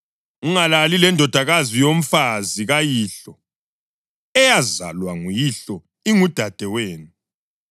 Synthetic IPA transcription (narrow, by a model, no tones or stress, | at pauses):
uŋalalilɛndʱɔd̥ʱaɣazijom̩faziɣajiɬɔ | ɛjaza̰lwaŋujiɬɔ | iŋud̥ʱad̥ʱɛweːnu